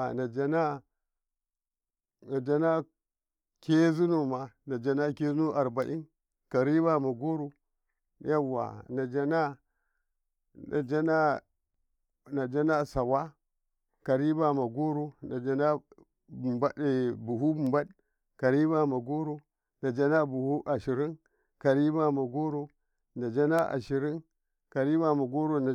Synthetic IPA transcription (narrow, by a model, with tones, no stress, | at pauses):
a˨na˨d͡ʒa˦na˦ | na˨d͡ʒa˦na˦ | ke˦zu˦no˨ma˨na˨d͡ʒa˦na˦ke˦zu˦no˦ʔa˨ɾba˨ʔi˦n | ka˨ɾi˦ba˦ma˨ɡo˦ɾu˦ | ja˦wːa̰˨na˨d͡ʒa˦na˦ | na̰˨d͡ʒa˦na˦ | na˨d͡ʒa˦na˦sa˨wa˦ | ka˨ɾi˦ba˨ma˨ɡo˦ɾu˦na˨d͡ʒa˦na˦˨ | ba˦˨bu˨ɦu˦bu˨mba˦d | ka˨ɾi˦ba˨ma˨ɡo˦ɾo˦ | na˨d͡ʒa˦na˦bu˨hu˦ʔa˨ʃi˨ɾi˦n | ka˨ɾi˦ba˨ma˨ɡo˦ɾo˦ | na˨d͡ʒa˦na˦ʔa̰˨ʃi˨ɾi˦n | ka˨ɾi˦ba˨ma˨ɡo˦ɾo˦n˨